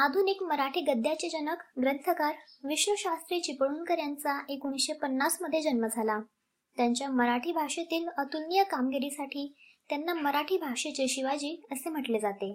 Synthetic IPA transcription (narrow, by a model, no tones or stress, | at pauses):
ad̪ʱunikməɾaʈʰiːɡəd̪ʱjat͡ɕed͡ʑənəkɡɾənt̪ʰəkaɾʋiɕʋəɕast̪ɾiːt͡ɕipəɭuːnkəɾjant͡saʔekunɕepənːasməd̪ʱːjed͡ʑənməd͡zʱala | t̪jaɲt͡ɕjaməɾaʈʰiːbʱaʂet̪iːlət̪ulnijəkamɡeɾisaʈʰiː | t̪janːaməɾaʈʰiːbʱaʂet͡ɕeɕiʋad͡ʑiːəsem̤əʈled͡zat̪e